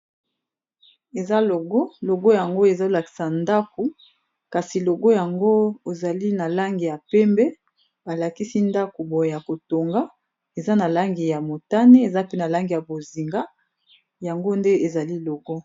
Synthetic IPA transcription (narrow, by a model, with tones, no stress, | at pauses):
e˨za˦lo˨ɡo˦lo˨ɡo˦ja˨ŋɡo˦e˨za˦o˨la˨ki̥˨sa˨nda˦ko˨ | ka˨si˨lo˨ɡo˦ja˨ŋɡo˦e˨za˨li˦na˨la˦ŋɡi˨ja˨pɛ˦mbɛ˦ | ba˨la˨ki˦si˦nda˦ko˨bo˨je˨ja˨ko˨to˨ŋɡa˦ | e˨za˦na˨la˦ŋɡi˨ja˨mo˨ta˦ne˦e˨za˦pe˦na˨la˦ŋɡi˨ja˨bo˨zi˨ŋɡa˦ | ja˨ŋɡo˦nde˦e˨za˨li˦lo˨ɡɔ˦